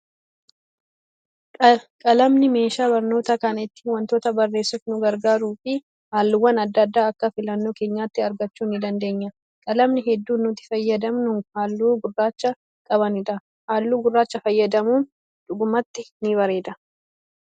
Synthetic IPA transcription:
kʼɐlɐmnɪme̞ːʃaːbɐɾno̞ːt̪ɐkɐnɪt̪ːɪ̥wɐnt̪o̞ːt̪ɐbɐrːe̞ːsːʊfnʊɡɐɾɡaːɾuːfɪ | haːlːɪwːɐnɐd̪ːɐd̪ːaːɐkːɐfɪlɐnːo̞ːke̞ːɲːaːt̪ːɪɐɾɡɐt͡ʃːuːnɪd̪ɐnd̪e̞ːɲːɐ | kʼɐlɐmnɪɦɛd̪ːuːnːʊt̪ɪ̥fɐjːɐd̪ɐmnʊhaːlːuːɡʊrːaːt͡ʃːɐ | kʼɐbɐnɪᶑɐ | haːlːuːɡʊrːaːt͡ʃːɐfɐjːɐd̪ɐmuːn | ᶑ̪̥ʊɡʊmɐt̪ːɪnɪβɐɾe̞ːd̪ɐ

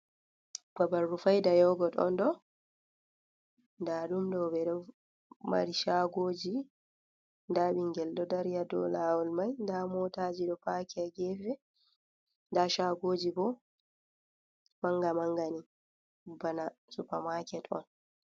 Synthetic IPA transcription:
babarːufajdajɔːɡɔɗɔ̰ndɔ | ndaɗumdɔbɛɗɔ | ma̰ɾiʃaːɡoːd͡ʒi | ndaɓiŋɡɛldɔdaɾjadɔ̰lawɔlmajndamɔːtaːd͡ʒiɗɔpaːkɛɛɡɛfɛ | ndaʃaɡoːd͡ʒibɔ | maŋɡamaŋɡani | banasupamaːkɛtɔ̰n

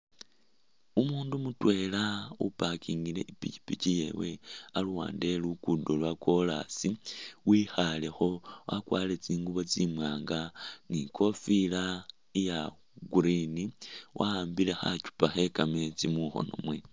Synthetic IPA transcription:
umuːndumutwe̞laupakiŋɡile̞̰ʔipit͡ʃi̥picije̞̰we̞aluwa̰ːnde̞lukudolwakwo̞la̰siwixale̞xo̞wakwaːle̞t͡siːŋɡuβo̞t͡simwaːŋɡaŋikʰo̞fila | ija | ɡuɾiniwʔaaːmbile̞xa̰t͡ʃu̥paxe̞kame̞t͡simuxo̞̰no̞̰mwe̞

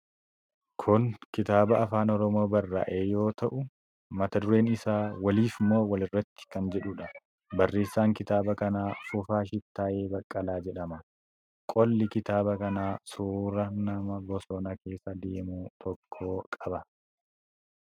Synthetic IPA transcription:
kʰʊŋkɪt̪aːbɐːfaːnɔɾɔmo̞ːbɐrːa̰ːʔe̞ːjo̞ːt̪ɐʔʊ | mɐt̪ɐd̪ʊɾe̞ːnɪsaːwɐliːfmo̞ːwɐlɪrːɐt̪ːɪ̥kɐnd͡ʒɛᶑʊᶑɐ | bɐrːe̞ːsːaːŋkɪt̪aːbɐkɐnaːfʊfaːʃɪt̪ːaːʔe̞ːbɐkʼːɐlaːd͡ʒɛᶑɐmɐ | kʼɔlːɪkɪt̪aːbɐkɐnaːsuːɾɐnɐmɐɡɔsɔnɐkʰe̞ːsːɐd̪eːmuːt̪ʰɔkʰːoːkʼɐbɐ

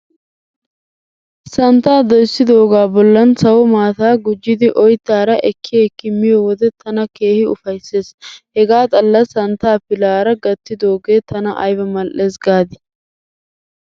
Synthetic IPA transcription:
sɐnt̪aːd̪ɔjsːɪd̪o̞ːɡaːbɔlːɐnsɐwɔmaːt̪aːɡʊd͡ʒːɪd̪ɪʔɔjt̪ːaːɾɐʔɛkːɪɛkːɪmːɪjɔwɔd̪ɛt̪ɐnɐke̞ːhɪʊfɐjsːe̞ːshɛɡaːt̪ʼɐlːɐsɐnt̪aːpɪlaːɾɐɡɐt̪ːɪd̪o̞ːɡe̞ːt̪ʰɐnɐʔɐ̰jbɐmɐlʔe̞ːsɡaːd̪ɪ̥

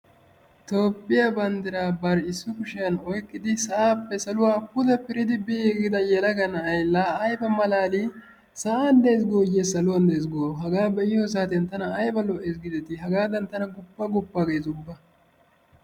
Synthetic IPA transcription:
t̪oːpːɪjabɐnd̪ɪɾaːbɐɾɪsːʊkʊʃɪjɐnɔjkʼːɪd̪ɪsɐʔaːpːɛsɐlʊwaːpʊd̪ɐpɪɾɪd̪ɪbɪːɛɡɪd̪ɐjɛlɐɡɐnɐɐjlːaːjbɐmɐlaːli | sɐʔaːnd̪ejs̬ɡoːjesɐlʊwɐnd̪ejs̬ɡoːɦɐɡaːbɛʔɪjoːs̬aːt̪ɪjɐnt̪ɐnɐːjbɐlɔʔɛs̬ɡɪd̪ɛt̪ɪɦɐɡaːd̪ɐnt̪ːɐnɐɡʊpːɐɡʊpːɐɡejzʊbːɐ

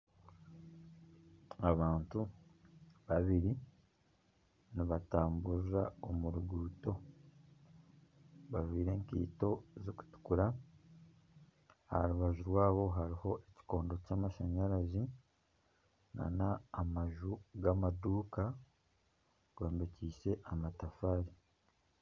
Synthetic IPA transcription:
aβaːntu | βaβiɾi | niβataːmbuzaomuɾuɡuːto̞ | βaʒwiːɾe̞ːŋkḭːto̞zoku̥tu̥kuɾa | haɾuβaʒuɾwaːβo̞ɦaɾiho̞ʔeci̥ko̞ːndo̞caːmaʃaɲaɾazi | na̰naːmaʒuɡamaduːka | ɡ̥woːmbeciːse̞ʔamatafaːɾi

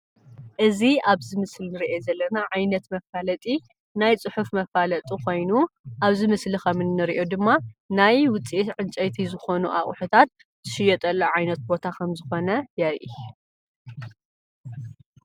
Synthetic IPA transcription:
ʔɨziaβzɨmɨslnɨɾiʔezɐlːɐnaʕajnɐt̪mɐfalɐt̪ʼi | najt͡sʼɨħufmɐfalɐt̪ʼikʰo̞jnuʔaβzɨmɨslixɐmɨnːɨɾiʔo̞d̪ɨmːanajwʊt͡sʼiʔit̪ʕɨnt͡ʃʼɐjt̪ʰizɨxo̞nuʔaχʼħut̪ʰat̪̚ | z̥ɨʃɪjɛt̪ʼɐlːoʕajnɐt̪̚bo̞t̪ʰakʰɐmzɨxo̞nɐjɐɾʔi

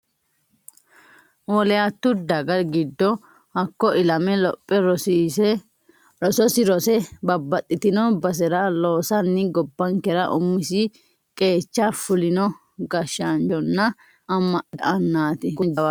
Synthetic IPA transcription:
wɔlɛjat̪ːʊd̪ɐɡɐɡɪd̪ːɔ | hɐkːɔʔɪlɐmɛlɔpʼːɛɾɔiːsɛ | ɾɔsɔsɪɾɔsɛbɐbːɐt̪ʼːɪt̪ɪnɔbɐs̬ɛɾɐloːsɐnːɪɡɔbːɐŋkɛɾɐʔʊmːɪsɪ | kʼe̞ːt͡ʃːafʊlɪnɔ | ɡɐʃand͡ʒɔnːɐ | ɐmːɐdɐʔɐnːaːt̪ɪkʊd̪ɐwa

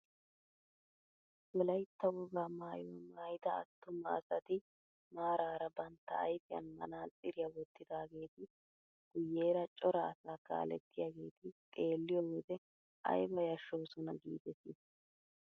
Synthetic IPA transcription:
wɔlɐjt̪ːɐwʊɡaːmaːjoːmaːjɪd̪ɐ̰ːt̪ːʊmɐːsɐt̪ɪ | maːɾaːɾɐbɐnt̪ːɐ̰ːjfɪjɐ̰nmɐ̰naːt͡sʼɪɾɪjɐwɔt̪ʰːɪd̪aːɡe̞ːt̪ɪ | ɡ̥ʊjːe̞ːɾɐt͡ʃʼɔɾɐːsaːka̰ːlɛ̰t̪ːɪjaːɡe̞ːt̪ɪt̪ʼe̞ːlːɪjowɔd̪ɛ | ʔɐ̰jbɐjɐʃːoːsɔnɐɡiːd̪ɛsis

